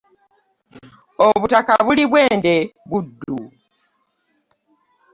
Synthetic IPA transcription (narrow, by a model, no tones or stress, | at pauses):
oβutakaβuliβwe̞ːnde̞βudːu